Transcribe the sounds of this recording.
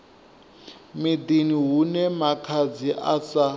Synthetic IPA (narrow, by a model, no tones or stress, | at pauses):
mid̪iniɦunɛmakʰad͡ziʔat͡sa